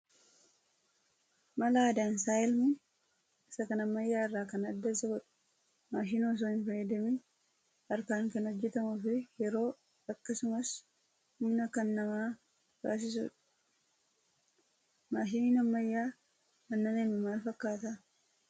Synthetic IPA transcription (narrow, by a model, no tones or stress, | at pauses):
mɐlaːd̪aːnsaːjɛlmɪ | ɪsɐkɐnɐmːɐjːaːɪrːaːkɐnɐd̪ːɐsɐɡɔᶑɐ̥ | maːʃɪnoːs̬ohɪnfɐjɛd̪ɐmi | ɐɾkaːŋkɐnɔd͡ʒːɛt̪ɐmʊfɪjɛɾo̞ː | ɐkːɐsʊmɐs | ʊmnɐkɐnːɐmaː | ba̰ːs̬ɪs̬ṵːᶑɐ̥ | maːʃɪninɐmːɐjːaː | mɐnːɐnenɪmaːlfɐkːaːt̪ɐ